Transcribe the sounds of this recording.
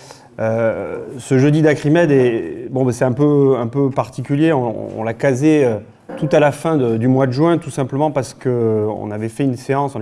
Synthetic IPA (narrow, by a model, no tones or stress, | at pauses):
ø | səʒød̪id̪akχimɛd̪ebɔ̃basɛt̪ɛ̃pøɛ̃pøpaʁt̪ikʲyljeɔ̃ɔ̰̃lakazeø | t̪ut̪alafɛ̃d̪əd̪ymwad̪əʒɥɛ̃t̪usɛ̃pləmɑ̃paʁsə̥kəɔ̰̃navɛfɛynseɑ̃sɔ̃n